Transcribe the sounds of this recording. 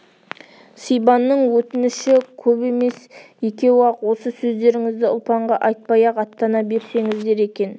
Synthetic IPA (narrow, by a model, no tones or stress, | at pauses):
sijbɑnːəɴwɵt̪ɪnɪʃɪkʲʰɵbe̞me̞sje̞kʲe̞wwɑqwo̞səsɵzd̪e̞ɾɪŋɪzd̪ɪʊ̰lˠpɑɴʁɑʔɑjt̪̚pɑjɑqɑt̪ːɑnɑbe̞ɾse̞ŋɪzd̪e̞ɾe̞kʲe̞n